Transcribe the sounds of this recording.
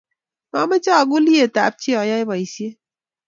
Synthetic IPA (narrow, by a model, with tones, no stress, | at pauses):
a˦me˦t͡ʃa˦˨ɡu˦li˦e˨t̪a̰˨˦p̚t͡ʃi˦ɔ˨˦ja˦e˦ba˨i˨˦si˦e˦